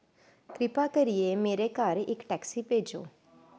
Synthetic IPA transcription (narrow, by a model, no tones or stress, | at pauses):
kɾɪpaːkəɾijeːmeːɾeːkaɾɪkʈɛːksiːpeːd͡ʒo̰ː